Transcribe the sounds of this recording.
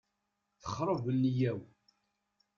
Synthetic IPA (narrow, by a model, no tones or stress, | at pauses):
θə̥χɾˤəvəlːijæw